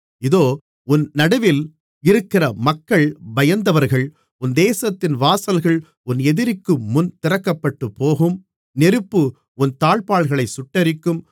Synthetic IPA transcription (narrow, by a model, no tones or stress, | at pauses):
ɪðoː | ʊnnɐɽɐʋɪl | ɪɾɯkːɪrɐmɐkːɐɭbɐjɐnd̪ɐʋɐɾɣɐɭ | ʊnd̪eːsɐt̪ːɪnʋaːsɐlɣɐɭ | ʊnɛðɪɾɪkːɯːʊnt̪ɪɾɐkːɐpːɐʈːɯpːoːɣɯm | nɛɾɯpːɯ | ʊnt̪aːɭpaːɭɣɐɭɐɪsʊʈːɐɾɪkːɯm